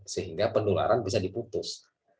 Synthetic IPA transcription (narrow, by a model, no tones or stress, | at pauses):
səɦiŋɡapənluŋa̰ɾʔanbis̬adiput̪ʊs